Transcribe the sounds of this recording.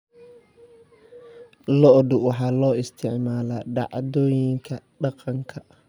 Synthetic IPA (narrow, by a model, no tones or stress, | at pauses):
lɔʔd̪ʊwɑħɑːlɔːɪst̪ʰɪʕmaːlaːɖɑ̰ʕd̪ɔːjɪŋkʰɐɖɑqɑŋkʰɐ